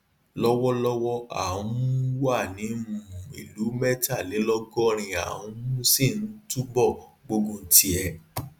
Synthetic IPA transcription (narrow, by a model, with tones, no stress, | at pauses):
lɔ˦wɔ˦lɔ˦wɔ˦a̰˨ũ˨˦mũ˦wa˦˨nĩ˨˦ũ˦˨ḭ˨lu˨˦mɛ˦ta˦˨le˨˦lɔ˦ɡɔ˦ɾ̃ĩ˧a̰˨wũ˨˦mũ˦si˦˨n̩˦tu˦bɔ˦˨ɡ͡bo˧ɡũ˦˧˦ti˦ɛ˧